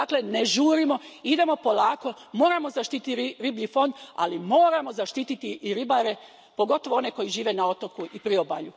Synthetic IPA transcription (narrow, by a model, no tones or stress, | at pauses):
d̪akle̞ne̞ʒuːɾimo̞id̪e̞mo̞po̞lˠaːko̞mo̞ːɾamo̞zaʃt̪iːt̪it̪ɾiɾiːbʎifo̞nd̪a̰limo̞ːɾamo̞zaʃt̪iːt̪it̪iːɾibaɾe̞ | po̞ɡo̞t̪o̞ʋoo̞ne̞ko̞jiʒiːʋe̞nao̞t̪o̞kuipɾioba̰ʎu